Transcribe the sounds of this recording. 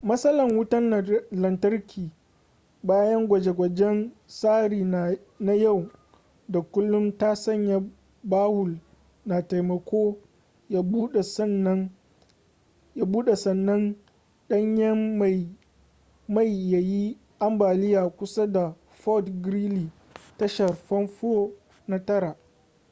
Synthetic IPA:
mɐ˦sɐ˦lɐ˨ŋwʊ˦tɐ˦n˨lɐ˨ntɐ˦rkʲʰiː˨ | baː˦jɐ˦ŋɡʷɐ˨d͡ʒe˨ɡʷɐ˨d͡ʒɛ˦n | saː˦ɾiː˨ | na˦ja˦˨w | da˨kʷʊ˦lːʊ˦mtaː˦sɐ˦˨ɲja˨ | baː˦hʊ˨l | na˨ta˨jmɐ˨kʷoː˦ | ja˦buː˦ɗsn˦ | ja˨buː˦ɗe˨sɐ˨nːɐ˦n | ɗɐ˦ɲjɛ˦a˨ | ma˦˨jːa˨ji˦ | ʔa˦mbaː˨lɪ˦jaː˨kʷʊ˦sa˦da˨ | ɸɔ˦tɡɾiː˦liː˨ | tɐ˦ʃɐ˨rɸɐ˦nɸo˦ | na˦tɐ˦ɾa˨ʔ

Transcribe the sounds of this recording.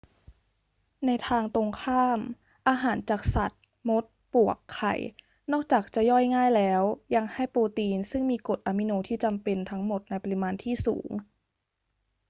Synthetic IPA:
na˧jt̪ʰaː˧ŋt̪o˧ŋkʰaː˥˩m | ʔaː˧ɦaː˩˦nt͡ɕaː˨˩k̚sa˨˩t̪̚ | mo˦˥t̪̚pu˨˩əkʰːa̰˨˩j | nɔː˥˩k̚t͡ɕaː˨˩k̚t͡ɕa˨˩jɔː˥˩jŋaː˥˩jlɛː˦˥wja˧ŋha˥˩jpoː˧t̪iː˧nsɯ˥˩ŋmiː˧ko˨˩t̪̚ʔaː˧mi˧noː˧t̪ʰiː˥˩t͡ɕa˧mpe˧nt̪ʰa˦˥ŋmo˨˩t̪̚na˧jpa˧i˧maː˧nt̪ʰiː˥˩sṵː˩˦ŋ

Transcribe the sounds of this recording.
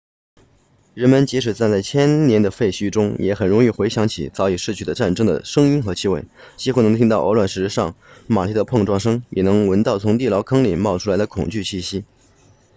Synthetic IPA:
ɻə˧˥nmə˧nt͡ɕi˧˥ʂɻ̩˨˩t͡sa˥˧nt͡sa˥˩ɪt͡ɕʰjɛ˥nnjɛ˧˥nd̪ə˧fe˥˩ɪɕy˥ʈ͡ʂʊ˥ŋjʔɛ̰˧˥xə˨˩nɻʊ˧˥ŋi˥˩xwe˧˥ɪɕjɑ˧˥ŋt͡ɕʰḭ˨˩t͡sɑ˧˥ʊi˨˩ʂɻ̩˥˧t͡ɕʰy˥˩d̪ə˩ʈ͡ʂa˥˩nʈ͡ʂɤ˥ŋd̪ə̰˨˩ʂɤ˥ŋi˥nxɤ˧˥t͡ɕʰi˥we˥˩ɪt͡ɕi˥xu˥˩nɤ˧˥ŋt̪ʰi˥ŋt̪ɑ˥˩ʊə̰˧˥lwa˥˩nʂɻ̩˧˥ʂɑ˥˩ŋma̰˨˩lʰi˥d̪ə˧pʰɤ˥˧ŋʈ͡ʂwɑ˥˧ŋʂɤ˥ŋjɛ˨˩nɤ˧˥ŋwə˧˥nt̪ɑ˥˩ʊt͡sʰʊ˧˥ŋt̪i˥˩lɑ˧˥ʊkʰɑ˥ŋlḭ˨˩mɑ˥˩ʊʈ͡ʂʰu˥la˧˥ɪd̪ə˧kʰʊ̰˨˩ŋt͡ɕy˥˧ɕi˥˩ɕi˥

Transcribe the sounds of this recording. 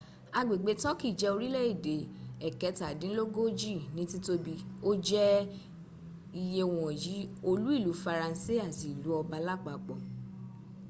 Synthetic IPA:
a˧ɡ͡be˨ɡ͡be˨˦tɔ˦ki˦˨d͡ʒɛ˨˧o˧ɾi˦lɛ˦˨i˦˨de˨˦ɛ˨kɛ˨˦ta˨dĩ˨˦lo˦ɡo˦d͡ʒi˦˨nĩ˨˦ti˦to˧bi˧o˦d͡ʒɛ˦ | i˧je˧w̃ɔ̃˨ji˨˦o˧lu˦i˦˨lu˨˦fa˧ɾã˧n˦si˦˨a˦˨ti˨lu˨˦ɔ˧ba˧˦la˦˨k͡pa˨k͡pɔ˨

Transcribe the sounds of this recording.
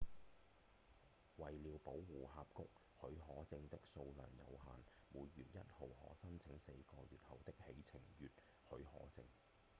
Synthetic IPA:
wɐ˨jliː˨˧wpo˨˥wwuː˨˩ɦaː˧p̚kʊ˥k̚ | hɵ˨˥ɥɦɔː˨˥t͡sɪ˧ŋt̪ɪ˥k̚so˧wlœ̰ː˨˩ŋjɐ̰˨˧wɦaː˨n | muː˨˧jːyː˨˩njɐ˥t̚ho˨whɔ̰ː˨˥sɐ˥nt͡sʰɪ˨˥ŋse˧jkɔː˧jyː˨t̚hɐ˨wt̪ɪ˥k̚he˨˥jt͡sʰɪ˨˩ŋjyː˨t̚ | hɵ˨˥hɔ̰ː˨˥t͡sɪ̰˧ŋ

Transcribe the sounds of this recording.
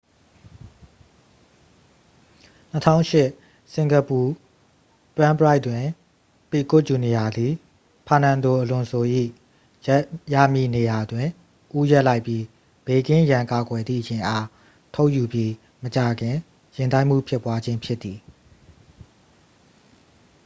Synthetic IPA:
n̥ətʰã̰˦˨ʊ̃ʃɪ˦ʔ | sɪ̃˨ŋɡə˨pu˨ | twã˦bəɹa˦ɪʔtːwɪ̃˨ | pi˨kʊ˦t̚t͡ɕu˨ni˨ja˨d̪i˨ | pʰã˨nã˨nd̪o˨ʔəlʊ̃˨nso˨ʔḭ˦˨ | ja̰˦˨mji˨ne˨ja˨dwɪ̃˨ | ʔu˦jɛ˦ʔla˦ɪpji˦ | b̥e˨kɪ̃˦jã˨ŋka˨ɡwɛ˨d̪ðḭ˦˨ət͡ɕʰeɪ̃˨ʔa˦ | tʰo˦ʊʔju˨bji˦ | mət͡ɕa˨ɡɪ̃˨ | jɪ̃˨tã˦ɪʔm̥ṵ˦˨pʰjɪ˦˨pːwa˦d͡ʑɪ̃˦mpʰjɪ˦t̪ːði˨

